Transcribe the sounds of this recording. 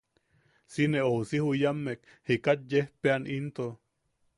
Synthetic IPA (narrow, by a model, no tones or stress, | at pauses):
sineousihujamːek̚ | hikat̪̚jehpeanʔint̪o